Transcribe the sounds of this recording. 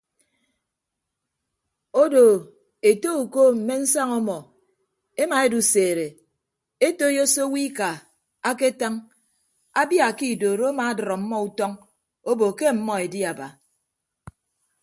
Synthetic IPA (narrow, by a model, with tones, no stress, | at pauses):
o˦do˨ | e˨to˦u˨koː˦m̩˨me˦n̩˦sa˦ŋɔ˦mɔ˨ | e˦ma˨e˦du˨seː˨ɾe˨ | e˦to˦jo˦so˦wi˦ka˨ | a˦ke˦ta˦ŋ | a˦bja˨ki˦˨doː˨ɾo˦ma˨a˦dɾɔ˨m̩˦mːɔ˦u˦tɔ˦ŋ | o˦bo˨ke˦m̩˨mɔ˦e˨di˦a˨ba˨